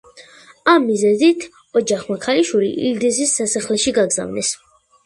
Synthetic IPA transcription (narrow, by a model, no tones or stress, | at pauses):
amːizɛzit̪ʰ | ɔd͡ʒaχmakʰaliʃwilḭʔḭld̪ɛsisːasaχlɛʃiɡaɡza̰vnɛs